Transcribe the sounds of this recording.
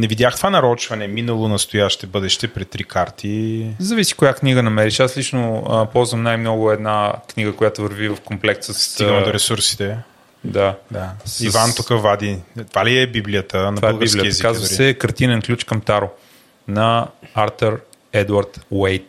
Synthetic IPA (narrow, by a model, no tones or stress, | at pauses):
nɛvid̪ʲjaxt̪ovanɐɾɔt͡ʃvɐnɛminəlˠonɐst̪ojaʃt̪ɛbɤd̪ɛʃt̪ɛpɾɛt̪t̪ːɾikaɾt̪ʰizɐvisi̥kʊjakniɡənɐmɛɾiʃaslit͡ʃnoəpɔlˠzvəmnajmnɔɡʊɛd̪nakniɡəkojat̪ʊvɐɾvivɐfkomplɛksəsiɡmd̪oɾɛsuɾsi̥t̪ɛ | d̪ad̪asivant̪ukəvad̪it̪ovaliɛbibliət̪ənɐbvalˠɡəisb̪klijətəɛzkazvɛkɐɾt̪inɛnklʲut͡ʃkɐmt̪aɾo | nɐaɾt̪əɾ | ɛd̪uɐɾt̪wɛjt̪̚